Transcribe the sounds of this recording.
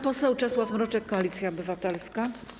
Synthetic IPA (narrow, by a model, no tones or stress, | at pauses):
pɔsɛwt͡ʂɛswafmɾɔt͡ʂɛkːɔalʲit̪sʲjaɔbɘvat̪ɛlska